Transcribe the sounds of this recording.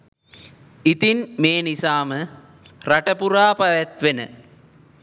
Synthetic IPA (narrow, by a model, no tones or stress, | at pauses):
it̪inmeːnisaːmə | raʈəpuɾaːpaʋæt̪ʋenə̰